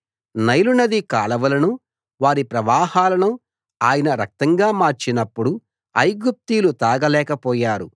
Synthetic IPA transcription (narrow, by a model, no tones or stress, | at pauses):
nɐjlunɐd̪ikaːlɐʋɐlɐnu | ʋaːɾipɾɐʋaːhaːlɐnu | aːjɐnɐɾɐk̚t̪ɐŋɡaːmaːɾt͡ʃinɐpːuɽu | ɐjɡup̚t̪iːlut̪aːɡɐlɛːkɐpɔːjaːɾu